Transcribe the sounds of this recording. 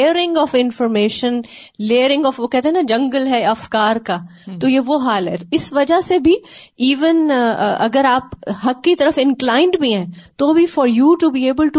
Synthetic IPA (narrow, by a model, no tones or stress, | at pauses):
eːɾɪ̃ŋɡɔːfɪ̃nfɔːɾmeːʃə̃nleːɾɪ̃ŋɡɔːfʋokɛɦt̪ẽɦɛ̃nad͡ʒɐ̃ŋɡəlɦɛɐfkaːɾkaːt̪ojeʋoɦaːlɦɛ̰t̪oɪsʋɐd͡ʒasebʱiiːʋənɐ̰ɡəɾaːpɦɐkːit̪ɐɾəfɪ̃nklaːɪ̃ɳɖbʱiɦɛ̃ːt̪obʱifɔːɾjuːʈubiːeːbəlʈu